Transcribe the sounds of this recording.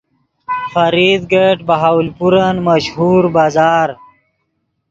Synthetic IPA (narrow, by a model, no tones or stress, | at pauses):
fɐɾid̪ɡeʈbɐɦawlpuɾənməʃhuːɾbaːzaːɾ